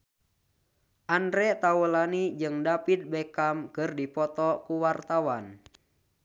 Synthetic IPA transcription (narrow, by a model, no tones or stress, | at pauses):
ʔanɾɛt̪awəlanid͡ʒɨŋdapit̪̚bɛkamkɨrdipɔt̪ɔkuwart̪awan